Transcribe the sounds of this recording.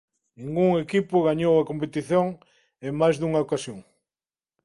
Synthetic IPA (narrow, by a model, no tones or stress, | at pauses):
nĩŋɡuŋekipʊɣaɲowɐkompet̪iθjoŋ | emajzðuŋɐokasjoŋ